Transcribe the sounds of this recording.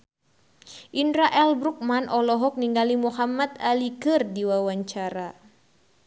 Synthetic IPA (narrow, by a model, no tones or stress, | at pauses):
ʔindɾaʔɛlbɾuk̚manʔɔlɔɦɔk̚niŋɡalimuɦamat̪alikɨrdiwawaɲt͡ʃaɾa